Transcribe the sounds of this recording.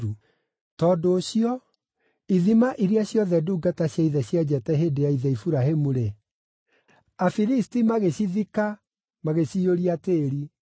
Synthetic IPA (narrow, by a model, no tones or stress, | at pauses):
u | tɔdoːɕiɔ | iðimaʔiɾiaɕjɔðɛduːɡataɕjaiðɛɕjad͡ʑɛtɛɦeːdeaiðɛifuɾaɦemuɾe | afiɾistimaɣeɕiðika | maɣeɕioɾiateːɾi